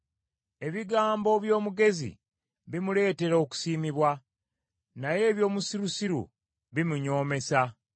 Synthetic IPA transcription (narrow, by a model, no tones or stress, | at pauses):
e̞βiɡaːmbo̞βjo̞ːmuɡe̞zḭ | βimule̞ːte̞ɾo̞ku̥siːmiβwa | naje̞ːβjo̞ːmusiɾusiɾṵ | βimuɲo̞ːme̞sa